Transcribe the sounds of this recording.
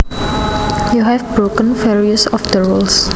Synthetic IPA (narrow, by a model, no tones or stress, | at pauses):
juɦɛvbɾokə̃nfɛɹiəsɔfd̪əɹuls